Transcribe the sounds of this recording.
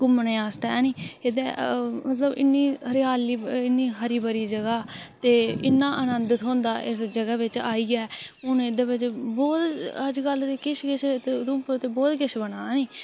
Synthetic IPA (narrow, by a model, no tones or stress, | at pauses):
ɡʊmnẽːaːst̪aːniːɪd̪eːmət̪ləbɪ̰nːiːɾɪaːliːɪnːiːɦəɾiːbəɾiːd͡ʒəɡaːt̪eːɪnːaːʔənə̃nd̪ət̪ɦõːnd̪aːʔɪsd͡ʒəɡaːʋɪt͡ʃaːiːɡaɛːʊnːɪd̪aːbɪt͡ʃbɔːt̪əd͡ʒɡəlt̪eːkɪʃkɪʃt̪ed̪ʊ̃ːpːt̪eːbɔːt̪kɪʃbənaːniː